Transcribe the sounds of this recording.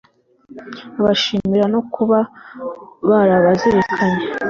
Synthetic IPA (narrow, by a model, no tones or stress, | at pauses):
βaʃiːmiɾano̞kuβa | βaɾaβazeɾekʰaɲe